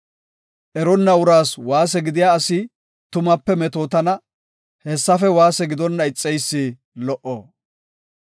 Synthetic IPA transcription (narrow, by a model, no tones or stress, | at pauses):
ʔɛɾɔnːɐʊɾaːswaːs̬ɛɡɪd̪ɪjaːsɪ | t̪ʊmɐpːɛmɛt̪oːt̪ɐnɐ | hɛsːɐfɛwaːsɛɡɪd̪ɔnːɐɪt͡sʼːɛjsːiː | lɔʔoː